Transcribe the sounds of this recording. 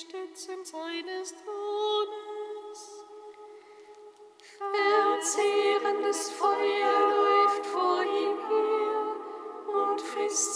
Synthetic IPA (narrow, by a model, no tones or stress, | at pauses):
tet͡sɪnzaɪnəstoːbəns | fɛɐt͡seːʁəndəsfɔʏɐlɔʏftfoːɐʔiːmheː | ʊntfɛs